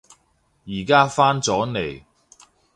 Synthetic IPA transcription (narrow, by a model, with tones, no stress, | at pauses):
jiː˨˩kaː˥faː˥nt͡sɔː˨˥ne˨˩j